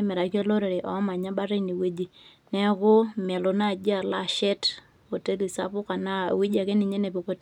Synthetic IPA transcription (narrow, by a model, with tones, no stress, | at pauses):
mɛ˨ɾa˨ki˦o˦lo˦ɾe˨ɾe˨ʔɔ̰˨˦ma˨ɲa˦ba˦ɾe˦ni˨we˦d͡ʒi˦ | nɛ˦kʊ˦mɛ˨lo˨na˦˨d͡ʒi˦a˨la˦˨ʃɛ˦t | o˨te˦li˨sa̰˦pʊ˦ka˨na̰˦˨wi˦d͡ʒa˨ke˦ni˨ɲe˦ne˨po˨ko˦t